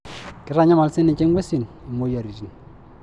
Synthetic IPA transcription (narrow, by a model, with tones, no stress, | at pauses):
kɪ˦ɾa˨ɲa˦ma˨lsɪ˦nɪ˨t͡ʃe˦ŋɡʷwɛ˦si˨ni˨mo˦ja˨ɾi˨d͡ʒi˨n